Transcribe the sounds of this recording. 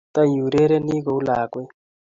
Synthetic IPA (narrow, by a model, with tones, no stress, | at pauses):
t̪a˦ju˨ɾe˦ɾɛ˦ni˦ɣo˨wlaː˨kwɛ˦